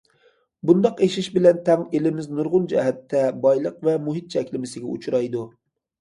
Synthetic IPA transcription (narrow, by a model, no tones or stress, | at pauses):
bund̪ɑqeʃɪʃbɪlɛnt̪ʰɛŋelɪmɪznʊɾʁʊnd͡ʒɛ̰ɦæt̪ʰːɛbɑjlˠəqvɛmuɦɪt̪̚t͡ʃʰɛkʲlɪmɪsɪɡʲɛṵt͡ʃʰɾɑjd̪u